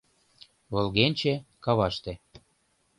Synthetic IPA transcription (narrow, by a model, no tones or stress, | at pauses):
βɤ̆lɣenʲt͡ɕekɑβɑʃt̪ĕ